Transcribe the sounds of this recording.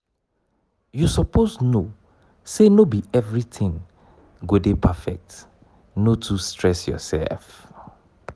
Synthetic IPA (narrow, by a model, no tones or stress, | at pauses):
jusɔpʰozno | senobiɛvɹitʰɪ̃ŋ | ɡodepʰafɛ̰k̚t | notʰustɹɛsjɔ̰sɛ̰lf